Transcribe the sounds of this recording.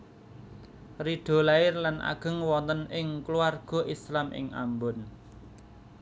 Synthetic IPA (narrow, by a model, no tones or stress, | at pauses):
riɖ̥ɔ̤laɪrlanʔa̰ɡ̥ə̤ŋwɔnt̪ənɪŋkluarɡ̥ɔ̤ʔislamʔɪ̰ŋa̰mbʊn